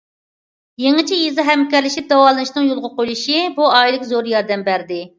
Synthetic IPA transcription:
jeŋɨt͡ʃʰijizɨɦɛmkʲɛɾlɪʃip̚d̪ɛwɑlˠɨnɨʃnɨŋjolˠʁəqojlˠuʃibuɑjlˠɪkʲzoɾjɑɾd̪ɛmbæɾd̪ɪ

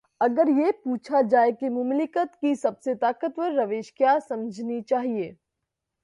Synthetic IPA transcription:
ɐɡəɾjepuːt͡ʃʰad͡ʒaːekemʊmlɪkət̪kisɐbset̪aːkət̪ʋəɾːɐʋeːʃkjaːsɐmd͡ʒʱnit͡ʃaːɦieː

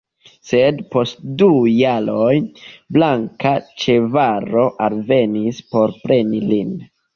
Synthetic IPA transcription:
se̞dpo̞stdujaɾo̞jblaŋkat͡ʃe̞vaɾo̞ʔalve̞nispo̞ɾpɾe̞nilin

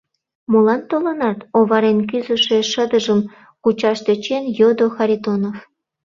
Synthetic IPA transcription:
molɑnt̪olə̆nɑt̪oβɑɾenk̬yzə̆ʃeʃəd̪əʒəm | kut͡ɕɑʃt̪øt͡ɕenjod̪oxɑɾʲit̪onof

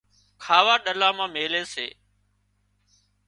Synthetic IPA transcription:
kʰaːʋaːɗəlaːmãːmeːleːsḛː

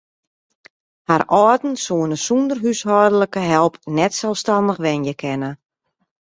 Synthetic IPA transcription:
haɾɔːtn̩suənəsundərɦyshɔːrdələkəɦɛlˠpnɛtsɛlˠstɑndəχʋɛnjəkʰɛnə

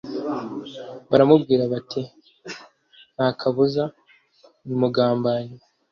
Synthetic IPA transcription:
βaɾamubɡiːɾaβati | naːkʰaβuza | nimuɡaːmbaɲi

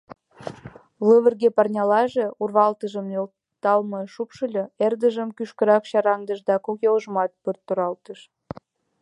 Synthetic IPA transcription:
ləβə̆rɣepɑrnʲɑlɑʒeurβɑlt̪əʒə̆mjol | t̪ɑlmɤʃupʃəlʲɤerd̪əʒəmkyʃkə̆ɾɑkɕɑɾɑŋd̪ə̆ʒd̪ɑkokjoləʒəmɑt̪̚pərt̪ːoɾɑlt̪əʃ

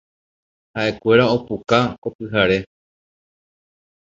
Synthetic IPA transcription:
haʔe̞kʷe̞ɾao̞pukako̞pɨɦaɾe̞

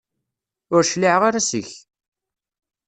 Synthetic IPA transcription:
ʊɾʃliʕʁaɾasəç

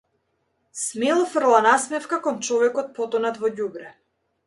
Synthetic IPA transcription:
smɛlˠfrlˠanasmɛfkakɔnt͡ʃɔvɛkɔt̪̚pɔt̪ɔnat̪vɔɟubɾɛ

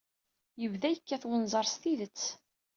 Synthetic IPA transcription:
jəvðæjəkːæθwənzˤɑɾˤst̪iðət͡sː

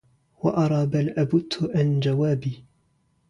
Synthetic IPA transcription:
waʔɑɾˤɑːbalʔabʊt̪ʰːʔand͡ʒawaːbiː

